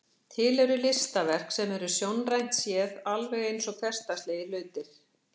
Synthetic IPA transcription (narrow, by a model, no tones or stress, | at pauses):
t̪ʰɪlɛɾʏlɪst̪avɛr̥ksɛmɛɾʏsjownrajn̥t̪sjɛːðalvɛɣejnsɔɣθɛr̥st̪ast̪leːjɪlʏːt̪ɪɾ̥